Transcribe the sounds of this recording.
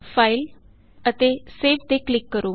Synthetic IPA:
pʰaːil | ət̪eːseːʋt̪eːklɪkːəɾoː

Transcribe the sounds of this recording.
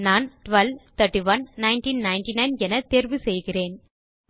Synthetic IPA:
naːnʈʋɐlʋt̪ʰɐʈːiʋɐnnɐɪnʈiːnnɐɪnʈinɐɪnɛnɐt̪eːɾʋɯsɛjɣɪreːn

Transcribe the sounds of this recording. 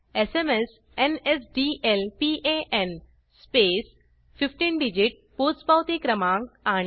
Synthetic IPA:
esemes | enesɖielpiʔeʔen | speːs | fifʈiːnɖid͡ʑiʈ̚pospawt̪ikɾəmãːŋkaɽ̃

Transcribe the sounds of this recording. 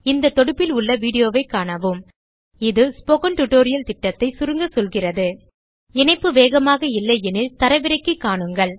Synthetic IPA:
ɪnd̪ɐt̪ːɔɽɯpːɪlʊɭːɐʋiːɽɪjoːʋɐɪkːaːɳɐʋɯm | ɪðɯspoːɣɐnʈʊʈːoːɾɪjɐlt̪ɪʈːɐt̪ːɐɪsʊɾɯŋɡɐsɔlɣɪrɐðɯ | ɛnɐɪpːɯʋeːɣɐmaːɣɐɪlːɐɪɛnɪlt̪ɐɾɐʋɪɾɐɪkːɯkːaːɳɯŋɡɐɭ

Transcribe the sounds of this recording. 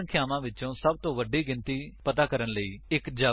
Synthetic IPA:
ɳkʰɪjaːmãːʋɪt͡ʃõːsəb̚t̪õːʋəɖiːɡɪ̃nt̪iːpət̪aːkəɾənləiːɪkd͡ʒaː

